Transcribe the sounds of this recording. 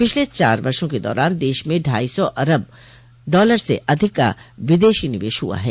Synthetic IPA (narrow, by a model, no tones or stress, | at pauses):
pɪt͡ʃʰlet͡ʃa̰ːɾbɐɾʃõked̪ɔ̰ːɾaːnd̪eːʃmẽɖʱaːisɔʔɐɾəb̚ | ɖɔːləɾsḛʔɐd̪ʱɪkːa̰ʋɪd̪eːʃiːnɪʋḛːʃɦṵa̰ɦɛː